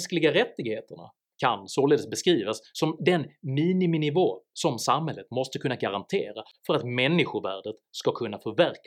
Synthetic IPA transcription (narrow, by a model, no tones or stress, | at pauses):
sklɪɡaɾɛt̪ːɪɡheːt̪əɳa̰ | kʰansoːleːd̪əsbɛskɾiːvasːɔmd̪ɛnmiːnɪmɪnɪvoːsɔmsamhɛlːət̪mɔst̪əkʰɵnːaɡaɾant̪ʰḛːɾafœɾat̪mɛnːɪɧʊvæ̰ːɖət̪skakʰɵnːafœɾvæɾk